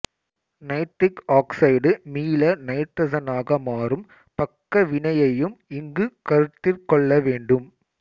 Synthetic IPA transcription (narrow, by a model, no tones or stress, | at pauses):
nɐɪʈ̪ːɪkaːksɐɪɖɯmiːlɐnɐɪʈ̪ːɐsɐnaːɣɐmaːrɯm | pɐkːɐʋɪɳɐjɐjɯmɪŋɡɯkɐɾɯt̪ːɪrkɔɭːɐʋeːɳɖɯm